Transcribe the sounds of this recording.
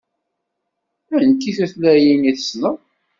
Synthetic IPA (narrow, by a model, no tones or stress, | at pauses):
ænkːiθæθlæjiniθə̥snəð